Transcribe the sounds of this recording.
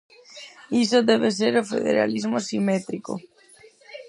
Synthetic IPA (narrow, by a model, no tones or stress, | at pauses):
is̬oðɛβ̞es̬eɾofḛðḛɾa̰lizmosimet̪ɾiko̰